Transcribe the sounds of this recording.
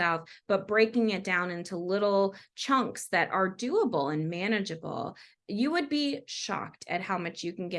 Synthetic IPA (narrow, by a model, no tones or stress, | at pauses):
ɛlˠfb̥ʌt̚b̥ɹeɪkɪ̃ŋɨt̚d̥ãʊ̃nɪ̃ntʰulɪɾl̩ˠt͡ʃʰʌ̃ŋksðɨɾʔə˞dʉəbl̩ˠə̃nmæñɨd͡ʒɨbl̩ˠ | jɨwɨd̚biʃɑ̰k̚tʰɨ̰t̚haʊmʌt͡ʃjɨkn̩ɡɛ